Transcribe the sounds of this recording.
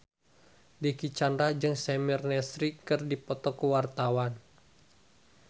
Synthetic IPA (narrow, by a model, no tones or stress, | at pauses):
dikit͡ʃandɾad͡ʒɨŋsɛmirnɛsɾikɨrdipɔt̪ɔkəwart̪awan